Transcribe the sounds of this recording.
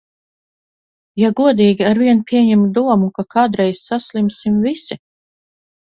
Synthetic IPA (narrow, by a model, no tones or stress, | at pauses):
jaɡuɔd̪iːɡʲiaɾviɛnpʲʰiɛɲɛmd̪uɔmukakaːd̪ɾɛjsːaslʲˠimsimvisi